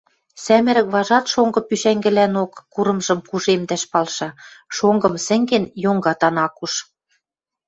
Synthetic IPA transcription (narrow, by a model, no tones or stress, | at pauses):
sæmɘ̆ɾɘ̆kβɑʒɑt̪ʃoŋɡɤ̆pyʃæŋɡɘ̆lænokːuɾɤ̆mʒɤ̆mkuʒemd̪æʃpɑlʃɑʃoŋɡɤ̆msɘ̆ŋɡĕnjoŋɡɑt̪ɑnɑkuʃ